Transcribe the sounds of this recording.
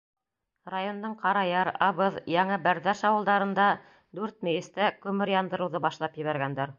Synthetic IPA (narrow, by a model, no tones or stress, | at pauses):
rajo̞nd̪ɤɴqɑɾɑjɑɾɑβɤðjæɴɤbæɾðæʃɑwɤlˠd̪ɑɾɤ̆nd̪ɑ | d̪ʉɾt̪̚mɘ̆jɘ̆st̪ækʉmɘɾjɑnd̪ɤ̆ɾɤ̆wðɤbɑʃlˠɑpjɘ̆βæɾɡænd̪æɾ